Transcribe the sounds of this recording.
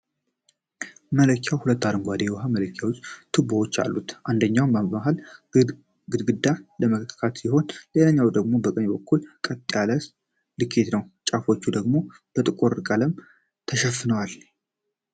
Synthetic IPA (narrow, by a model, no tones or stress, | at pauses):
mələkʰːjawhulət̪ːad̪əŋɡʷad̪ejwɔɦamələkʰːjawot͡ʃːt̪ʰɨbuhot͡ʃːa̰lːut̪ʔand̪əɲːawmbəmaɦal | ɡɨd̪ɡɨd̪ːaləməkʰkʰat̪siho̞nleləɲːawd̪əɡmo̞bəkʼəɲːbəkʰːulkʼət̪ʼːjaləs | lɨkʰːet̪nəwt͡ʃʼafo̞t͡ʃːud̪əɡmo̞ | b̥ət̪ʼɨkʼoɾkʼələm | t̪ʰəʃɛfːɨnəwal